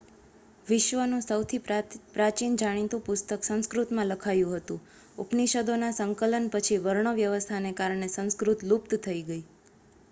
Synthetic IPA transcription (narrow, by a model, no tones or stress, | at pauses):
ʋɪʃʋənũsəwt̪ʰipɾat͡ʃind͡ʒaɽ̃it̪ũpʊst̪əksə̃nskɾut̪mãləkʰajũɦət̪ũ | upniʃəd̪onasəŋkələnpət͡ʃʰiʋəɾɳəʋjəʋəst̪ʰanekaɾɳ̃esə̃nskɾut̪lup̚t̪t̪ʰəiɡəi